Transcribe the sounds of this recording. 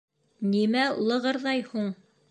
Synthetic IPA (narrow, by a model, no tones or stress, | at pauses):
nimæṵlˠɤ̆ʁɤ̆ɾðɑjhuɴ